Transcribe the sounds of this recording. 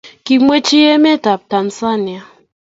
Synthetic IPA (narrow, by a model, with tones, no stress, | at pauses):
ki˨mwe˦t͡ʃi˦ɛ˦mɛ˦ta˨p̚ta˨nsa˦ni˨a˨